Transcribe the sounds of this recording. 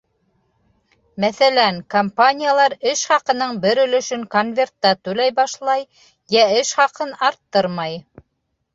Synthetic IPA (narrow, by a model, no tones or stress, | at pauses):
mæθælæŋkompanʲijalˠɑɾɘʃχɑqɤ̆nɤɴbɘɾɵ̆lɵ̆ʃɵŋkonvʲe̞rt̪ːɑt̪ʉlæjbɑʃlˠɑj | jæɘʃχɑqɤnɑɾt̪ːɤɾmɑj